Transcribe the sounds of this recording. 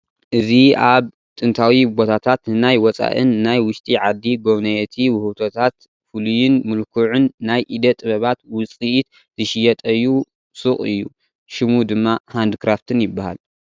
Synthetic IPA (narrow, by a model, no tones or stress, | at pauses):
ʔɨziaβ | t̪ʼɨnt̪ʰawibo̞t̪ʰat̪ʰat̪ɨnajwɔt͡sʼa̰ʔɨ̰nːajwʊʃt̪ʼiʕad̪ːiɡo̞βnɐjɛt̪ʰiwɨhut̪ʰo̞t̪ʰat̪ | fɨlujɪnmɨlkʰuʕʊnːajʔid̪ɐt̪ʼɨβɐβat̪wʊt͡sʼiʔit̪ | z̥ɨʃɪjɐt̪ʼɐjːu | sɨχʼɨ̰jːṵ | ʃɪmud̪ɨmːahand̪ɨkɾaft̪ʰɨnjɪbːaha̰l